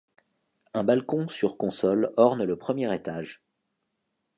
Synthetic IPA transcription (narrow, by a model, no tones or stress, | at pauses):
ɛ̃balkɔ̃syʁkɔ̃sɔlɔʁnləpχəmjɛʁet̪aʒ